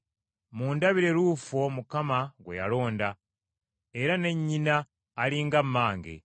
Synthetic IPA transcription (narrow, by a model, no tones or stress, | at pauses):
muːndaβiɾe̞ɾuːfo̞mukamaɡwḛja̰lo̞ːnda | e̞ɾane̞ɲːinaː | liŋɡamːaːŋɡḛ